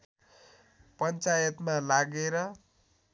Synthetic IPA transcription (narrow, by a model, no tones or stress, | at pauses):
pʌnt͡sajʌt̪malaɡeɾʌ